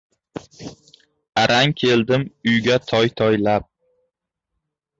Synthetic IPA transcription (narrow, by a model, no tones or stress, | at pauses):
aɾʔaŋkʲʰe̞ld̪ɪmʊjɡʲat̪ʰɒjt̪ʰɒjlap̚